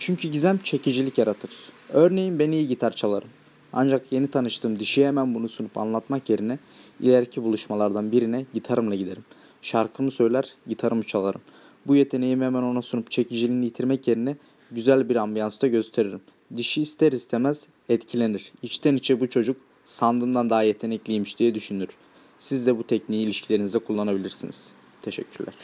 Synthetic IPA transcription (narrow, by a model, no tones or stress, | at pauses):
t͡ʃʰyɲcʰyɟizæmt͡ʃʰe̞cid͡ʒilʲicjaɾat̪ʰɯɾ̥øɾne̞jimbenijiɟit̪ʰaɾt͡ʃʰalˠaɾɯm | a̰nd͡ʒakje̞nit̪ʰanɯʃt̪ʰɯːmd̪iʃiemænbunusunupʰa̰nlˠat̪makje̞ɾinɛ | ḭlʲeɾcʰibulˠuʃmalˠaɾd̪anbiɾinɛɟit̪ʰaɾɯmlˠaɟid̪e̞ɾim | ʃaɾkʰɯmɯsø̞jlʲæɾjit̪ʰaɾɯmt͡ʃʰalˠaɾɯm | bujet̪ʰe̞nejimemæno̞nasunupt͡ʃʰe̞cʰid͡ʒilʲinijit̪ʰiɾmɛcje̞ɾinɛ | ɟyzælʲbiɾambijansd̪aɟø̞st̪ʰe̞ɾeɾim | d̪iʃiːst̪ʰeɾist̪ʰemæz̥ | ɛt̪cʰilʲe̞niɾ̥it͡ʃt̪ʰænit͡ʃʰɛbut͡ʃʰo̞d͡ʒuk̚ | sand̪ɯmd̪and̪aɦajet̪ʰe̞nɛclʲijmiʃd̪ijɛd̪yʃynyɾ̥ | sizd̪ɛbut̪ʰɛcniːlʲiʃcʰilʲeɾinizɛkʰulˠːanabilʲiɾsinḭz̥ | t̪ʰe̞ʃɛ̰cʰːyɾlʲæ̰ɾ̥